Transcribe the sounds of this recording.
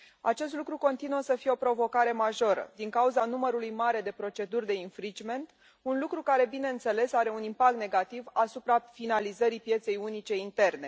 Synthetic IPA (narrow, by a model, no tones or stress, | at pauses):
a̰t͡ʃe̞s̬t̪lukɾuko̞nt̪inuəsəfije̞opɾo̞vo̞kaɾe̞maʒo̞ɾə̰d̪iŋkauzanuməɾulujmaɾe̞d̪e̞pɾo̞t͡ʃe̞d̪urʲd̪e̞infɾit͡ʃme̞nt̪ | unlukɾukaɾe̞bine̞ɨnt̪se̞le̞saɾe̞unimpak̚t̪ne̞ɡat̪ivasupɾafinalizəɾipje̞t̪se̞junit͡ʃe̞int̪e̞rne̞